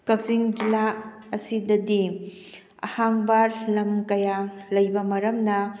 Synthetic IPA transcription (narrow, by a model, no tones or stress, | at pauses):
kɐk̚ziŋd͡ʒila | ɐsidɐdi | ɐ̰haŋbaɾlɐmkɐjalɐjbɐmɐɾɐmnɐ